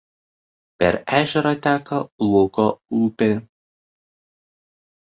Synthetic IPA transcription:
pʲɛ̰ɾæːʒʲɛɾɐt̪ʲæːkɐlˠukoupʲɪ

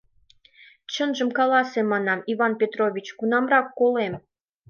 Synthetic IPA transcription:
t͡ɕənʒəmkɑlɑsemɑnɑmiβɑnpʲet̪roβʲit͡ɕkunɑmrɑkːolem

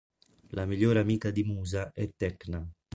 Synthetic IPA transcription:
lʔamiʎːoːɾamiːkad̪imuːzaʔɛt̪ːɛkna

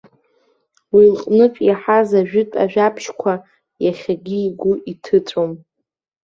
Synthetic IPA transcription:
wilqʼnɨpʼjaħazaʒᶣʏtʼa̰ʒᶣapʰʃkʷʰa | jaχʲaɡʲiːɡʷʊʔitʰɨtʰʼom

